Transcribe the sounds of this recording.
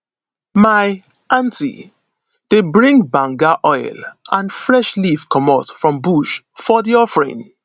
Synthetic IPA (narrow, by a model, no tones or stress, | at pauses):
maɪ | ʔãntḭ | d̥ebɹĩŋbãŋɡaʔɔɪlʔãnfɹɛʃlifkʰɔmatfɹɔ̃mbuʃfɔdiɔfɹɛ̰̃n